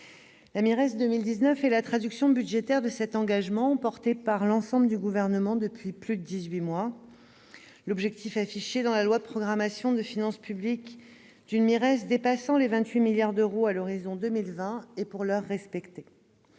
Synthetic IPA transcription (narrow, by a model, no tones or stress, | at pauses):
lamiʁɛsd̪əmild̪iznœfɛlat̪χad̪yksjɔ̃byd̪ʒet̪ɛʁd̪əsɛt̪ɑ̃ɡaʒmɑ̃pɔʁt̪epaʁlɑ̃sɑ̃bləd̪yɡuvɛʁnəmɑ̃d̪əpɥiplyd̪əd̪izɥimwa | lɔbʒɛk̚t̪ifafiʃed̪ɑ̃lalwad̪əpχɔɡʁamasjɔ̃d̪əfinɑ̃spyblik | d̪̥ynmiʁɛsd̪epasɑ̃levɛ̃t̪ɥimiljaʁd̪øʁoalɔʁizɔ̃d̪əmilvɛ̃epuʁlœʁːɛspɛkt̪e